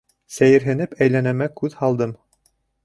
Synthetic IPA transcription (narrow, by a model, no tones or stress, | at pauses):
sæjɘ̆ɾɦɘ̆nɘpæjlænæmækʉðhɑlˠd̪ɤm